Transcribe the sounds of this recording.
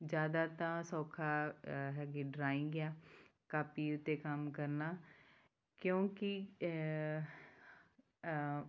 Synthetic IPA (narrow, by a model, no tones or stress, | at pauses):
d͡ʒjaːd̪aːt̪ãːsɔːkʰaːɦɛːɡeɖɾaːĩɡɪjaːkaːpiːʊt̪ːeːkəmkəɾnaː | kjõːki